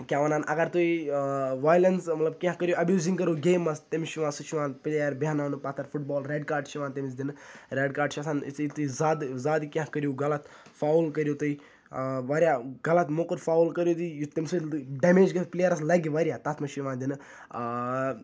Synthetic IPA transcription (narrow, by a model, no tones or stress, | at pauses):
kʲjãːʋɐnaːnʔɐɡɐɾt̪uiʋaːjlɐnsmɐt̪lɐb̚kʲããkɐɾjoːʔɐbjuːzĩŋɡkɐɾoːɡeːmɐst̪ɐmiʃiʋãːsut͡ʃʰiʋãːnpilʲaːjɐɾbaːnaːnupat̪ʰɐɾfuʈbɔːlɾeːɖkaːɾɖʃʰiʋãːnt̪emisd̪inɾeːɖkaːɾɖt͡ʃʰiasãːnḭt͡st̪uizaːd̪zaːd̪ikʲãɦkɐɾjoːɡɐlɐt̪ | faːwlkɐɾjot̪ui | ʋaːɾjaːɡɐlɐt̪mokəɾfaːulkɐɾjoːt̪ijut̪ɐmʲsuɖeːmeːd͡ʒɡɐpleːjɐɾɐslɐɡiʋaːɾjaːt̪ɐt̪ʰmɐʃiʋãːd̪in